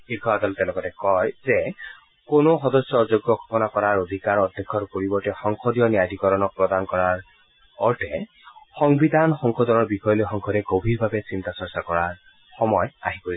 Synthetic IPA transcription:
xikʰɔadɔltɛ̃lɔkɔtɛkɔjzɛ | konoxɔdɔsjɔzoɡjɔkʰɔ̥pɔnakɔɹaɹod̪ʱikaɹɔd̪ʱːɛkʰːɔɹpoɹibɔɹtɛxɔŋxʰɔdijɔniadʱikɔɹɔnɔk̚pɹɔdankɔɹaɹ | ɔɹtʰɛ | xɔŋbidʱanxɔŋxɔdɔnɔɹbixɔjɔlojxɔŋkʰɔdɛɡobʱiɹbʱabɛsintasɔɹsakɔɹaɹ | xɔmɔja̰ɦipoɹi

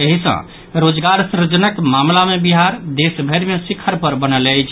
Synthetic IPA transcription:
əɦisə̰̃ | ɾod͡ʒɡaɾsɾd͡ʒənəkmamlamebiɦaɾd̪esbʱəɾmesikʰːəɾpəɾbənələjt͡ʃʰ

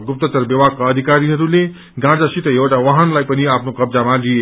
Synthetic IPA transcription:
ɡup̚t̪ʌt̪ʌrbjʌbaɡ̚kaːd̪ʱikaɾiɦʌɾule | ɡãd͡zasit̪ʌjewʈawaɦʌnlajpʌniapʰnokʌbd͡zamalie

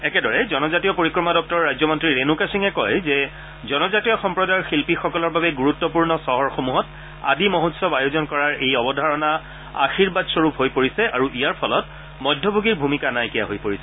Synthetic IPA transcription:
ɛkɛdɔɹɛzɔnɔzatijɔpoɹikɹɔmadɔk̚tɔɹːajzɔmɔntɹiɹenukasiŋɛkɔjzɛ | zɔnɔzatijɔxɔmpɹɔdajxilpixɔkɔlɔɹbabɛɡuɹutːɔpuɹnɔsɔɦɔɹxomuɦɔt | a̰dimoɦutsɔbajozɔnkɔɹaɹejɔbɔdʱaɹɔna | a̰xiɹbadsɔɹupɦojpoɹisɛaɹuʔijaɹpʰɔlɔt | mɔjdʱːɔbʱoɡiɹbʱumikanajkijaɦojpoɹisɛ̥

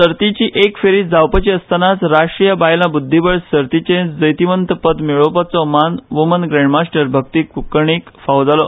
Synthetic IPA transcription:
səɾt̪it͡ɕiːʔekfeɾiːd͡zawpət͡ɕiəst̪ʰanat͡sɾaʂʈɾijəbajlãbud̪ʱːibəɭsəɾt̪it͡ɕẽd͡zəjt̪iʋənt̪əpət̪miɭopat͡sɔmanʋumənɡɾẽɳɖmasʈəɾbʱək̚t̪iːkukəɳ̃ikfawd͡zalɔ

